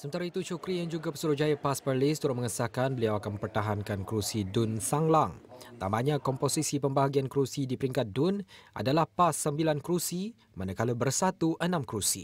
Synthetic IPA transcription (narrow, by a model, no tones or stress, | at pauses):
səmənt̪aɾait̪ut͡ʃukɾijaŋd͡ʒuɡapəsuɾʊhd͡ʒajapaspərlɪst̪uɾʊt̪̚mə̃ŋəsakanbəliawakanmə̃mpərt̪aɦankankɾusidʊnsaŋlaŋt̪amaɲãkɔmposisipəmbaɦaɡiankɾusidipəɾiŋkat̪̚dʊnʔa̰dalahpasːəmbilankɾusi | manakalubərsat̪uʔənãmkɾusi